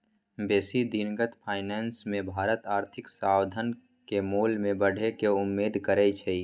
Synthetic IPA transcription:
beːsid̪inɡət̪pʰaːɪnɛːnsmẽbʱaːɾət̪aːɾt̪ʰɪksaːwd̪ʱən | kemoːlmẽbəɽ̤ʱekeʊmːeːd̪ʱkəɾɛt͡ʃʰei

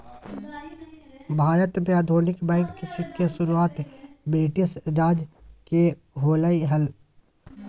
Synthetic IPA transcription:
bʱaːɾət̪mẽad̪ʱoːnɪkbɛ̃ːŋkːɪsɪkʰːesʊɾuaːt̪beːʈɪsɾaːd͡ʒke | ɦoːlaːiɦɐl

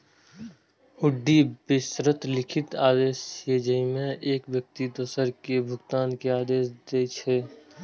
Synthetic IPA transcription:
ʊɖːibɪsɾət̪lɪkʰɪt̪aːd̪eːseːd͡ʒəimẽʔeːkʋjək̚t̪id̪osəɾkebʱʊɡt̪aːnkeaːd̪eːsd̪eːt͡ʃʰeː

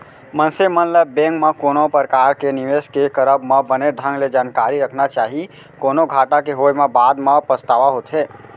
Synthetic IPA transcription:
mənsemənləbːẽŋkmekonopəɾkaɾkeniʋeskekəɾəbməbəneɖʱə̃ŋɡled͡ʒankaɾiɾəkʰnat͡ʃaɦi | konoɡʱaʈakeɦojmebad̪mepəst̪aʋaɦot̪ɦe

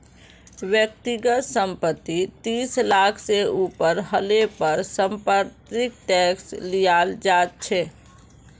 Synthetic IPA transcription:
wjək̚t̪iɡət̪sə̃mpət̪ːit̪iːslaːkʰseuːpəɾɦəlepəɾsə̃mpəɾt̪ɪk̚ʈɛːkslijald͡ʒaːt̪̚t͡ʃʰɛ

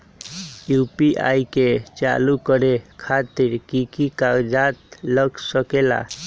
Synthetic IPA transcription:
jupiʔa̰iket͡ʃa̰lukəɾekʰat̪iɾkikikad͡ʒat̪ləɡsəkela̰

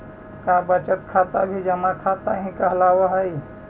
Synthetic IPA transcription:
kãbət͡ʃət̪kʰat̪abʱid͡ʒəmãkʰat̪aɦĩkəɦlaweɦəj

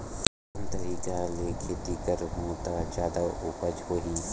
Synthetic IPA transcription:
ɐ̃nt̪ɐɾiːkaleːkʰeːd̪iːkəɾɦõːt̪ad͡ʒaːd̪aʊːpəd͡ʒɦoːɦiː

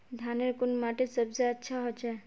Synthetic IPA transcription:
d̪ʱaneɾkʊnmaʈesəbzeətːʃʰaɦot͡ʃa

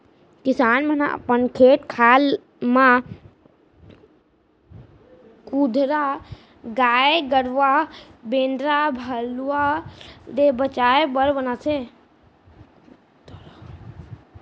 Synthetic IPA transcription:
kisaːnməna̰ə̰pənkʰeːʈkʰaːl | mã | kud̪ʱɾa | ɡaeɡəɽʋabẽnɖɾabʱəla | d̪ebət͡ʃaebəɾbənase | t̪

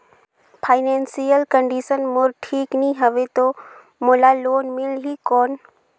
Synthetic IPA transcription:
pʰaːɪneːnsijəlkəɳɖiːsənmoɾʈʰiːknĩɦəʋet̪oː | moːlaːloːnmɪlɦiːkoːn

